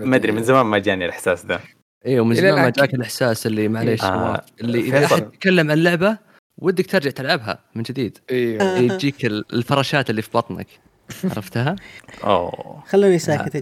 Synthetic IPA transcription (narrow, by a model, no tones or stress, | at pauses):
mad̪ɾimɪnzamaːnmad͡ʒaːnialʔɪħsaːsd̪a | ʔeːwmɪnzaaːnmad͡ʒaːkɪlʔɪħsaːsɪlːimaʕaleːʃwa̰ːʔɪlːiʔɪðaʔaːad̪̚t̪t̪̚kalːamʕanlːʊʕba | wʔɪd̪ːak̚t̪ɑɾˤd͡ʒaʕt̪ɪlʕabɦa̰mɪnd͡ʒɪd̪iːd̪ | d͡ʒiːkɪllfɑɾˤɑːʃaːt̪ɪlːifibɑt̪ˤna̰k | ʕɑ̰ɾˤɑft̪ɦaʔo̰xalːiːnisaːkɪt̪